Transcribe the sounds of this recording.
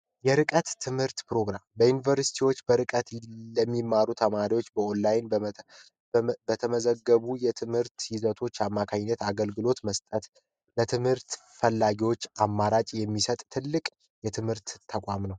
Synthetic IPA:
jɛɾɨkʼət̪ːʰɨmhɨɾt̪pɾo̞ɡɾambəjunivəɾsi̥t̪ʰiwo̞t͡ʃːbəɾɨkʼət̪ləmːimːaɾut̪ʰəmaɾiwo̞t͡ʃːbəonːajn | bət̪ʰəməzəɡːəβujɛt̪ʰɨmhɨɾt̪jɪzət̪ʰo̞t͡ʃːamːakʰaɲːət̪aɡəlɡɨlo̞t̪məst̪ʼət̪ | bət̪ʰɨmhɨɾt̪fəlːaɡiwo̞t͡ʃːamːaɾat͡ʃʼjɛmːisət̪ʼt̪ʰɨlːɨkʼ | jɛt̪ʰɨmhɨɾt̪t̪ʰəkʷʼamnəw

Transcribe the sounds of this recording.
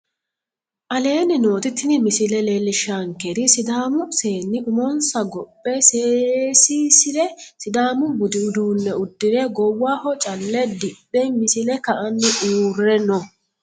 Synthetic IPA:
ʔɐle̞ːnɪno̞ːt̪ɪt̪ːɪnɪmɪsɪlɛlelːɪʃaŋkɛd̪ɪsɪd̪aːmʊseːnːɪʔʊmɔnsɐɡɔpʼːɛseːsiːsɪd̪ɛsɪd̪aːmʊbʊd̪ɪʊd̪uːnːɛʊd̪ːɪɾɛɡɔwːaːhɔt͡ʃʼɐlːɛd̪ɪbʼːɛmɪsɪlɛkɐʔɐnːɪʔuːrːɛnɔ

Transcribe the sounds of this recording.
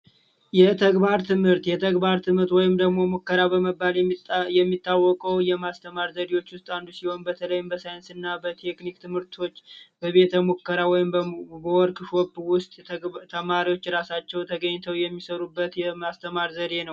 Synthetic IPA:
jɛt̪ʰəɡbaɾt̪ʰɨmhɨɾt̪jɛt̪ʰəɡbaɾt̪ʰɨmhɨɾt̪wɔjɪmd̪əɡmo̞mokːəɾabəməbːaljɛmːit̪ʰːawːɔkʼəwjɛmast̪ʰəmaɾzəd̪iwo̞t͡ʃːwʊst̪ʼand̪usiho̞nbət̪ʰələjɪmbəsajɪnsɨnːabət̪ʰe̞knikt̪ʰɨmhɨɾt̪ʰo̞t͡ʃːbəβe̞t̪ʰəmokːəɾawɔjɪmbəwɔɾkʼɨʃwɔbwʊst̪ʼt̪ʰəmaɾiwo̞t͡ʃːɾasat͡ʃːɛwt̪ʰəɡəɲːt̪ʰəwjɛmːisəɾubːət̪jɛmast̪ʰəmaɾzəd̪e̞nəw

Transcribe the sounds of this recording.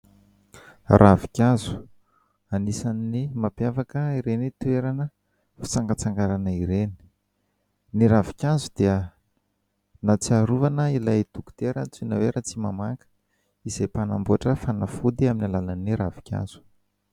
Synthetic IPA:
rʔavikʲazu̥ | anisanːimapjafakəiɾenit̪uweɾanə | fi̥t͡saŋɡət͡saŋɡaɾanəiɾeni̥ | niɾavi̥kʲazud̪̥iə | nat͡siaɾuvanəilajd̪̥uku̥t̪eɾət͡sinaweɾʔat͡simamakə̥ | izejpanambuaʈ͡ʂəfanafud̪iaminalalaniɾavi̥kʲʰa̰z̥u̥

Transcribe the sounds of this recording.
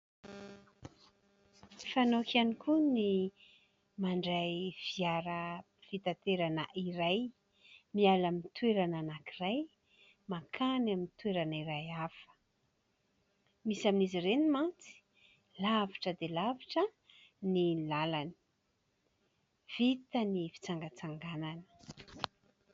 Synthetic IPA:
fanokanikʰuni | maɳɖ͡ʐajv̥iaɾə | fit̪at̪eɾanəʔiɾaj | mialamint̪weɾananakiraj | makʰanaminit̪weɾaniɾajafə̥ | misaminizirenimant͡si̥ | lavaʈ͡ʂəd̪elavaʈ͡ʂə | nilalani̥ | v̥it̪ənifi̥t͡saŋɡət͡saŋɡananə̥

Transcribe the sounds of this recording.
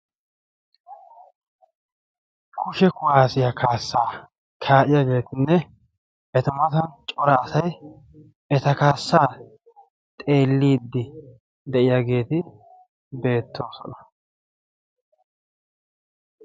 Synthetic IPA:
kʰʊʃɛkʊwaːsɪjɐkʰaːsːaː | kʰaːʔɪjaɡe̞ːt̪ɪnːɛ | ʔɛt̪ɐmɐt̪ɐnt͡ʃʼɔɾɐːsɐj | ʔɛt̪ɐkaːsːaː | t̪ʼe̞ːlːiːd̪ːɪ | d̪ɛʔɪjaɡe̞ːt̪ɪ | be̞ːt̪ːo̞ːsɔ̰nɐ

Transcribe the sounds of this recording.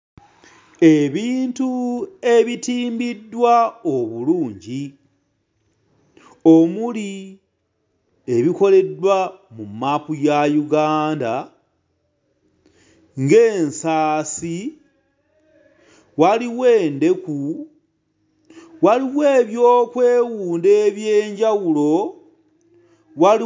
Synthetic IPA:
e̞βiːntue̞βitiːmbidːwaoβuluːɲɟi | o̞muli | e̞βiko̞le̞dwamumːapujajuɡaːnda | ŋɡe̞ːnsaːsi | waliwe̞ːnde̞ku | waliwe̞ːβjoːkwe̞ːwuːnde̞ːβje̞ːɲɟawulo̞ | wai

